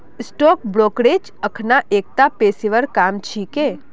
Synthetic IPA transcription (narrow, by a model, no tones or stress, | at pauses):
ɪsʈoːkbɾoːkɽeːd͡ʒ | əkʰnaʔeːk̚t̪apeːsiʋəɾkaːmt͡ʃʰikeː